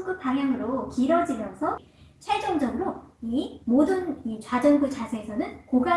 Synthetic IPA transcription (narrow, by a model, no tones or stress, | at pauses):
ɡɯpaŋjaŋɯɾokiɾʌd͡ʑimjʌnsʰʌ | t͡ɕʰed͡ʑʌnd͡ʑʌɡɯɾoimodɯnit͡ɕwad͡ʑʌnɡut͡ɕasʰeesʰʌnɯnkoɡa